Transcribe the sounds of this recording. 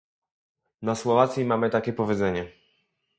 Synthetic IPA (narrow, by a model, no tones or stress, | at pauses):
naswɔvat̪sʲimamɘt̪akʲɛpɔvʲjɛd̪zɛɲɛ